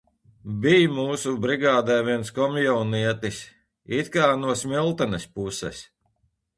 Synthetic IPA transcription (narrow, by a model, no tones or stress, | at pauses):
bʲijmuːsubɾiɡaːd̪ajviɛnskɔmjɔwniɛt̪is | it̪kaːnuɔsmilˠt̪anɛspusɛ̰s